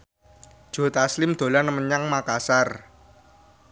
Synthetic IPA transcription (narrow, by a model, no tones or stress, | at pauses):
d̥ʒ̥o̤t̪aslɪmd̪̥o̤lanəməɲaŋmakasar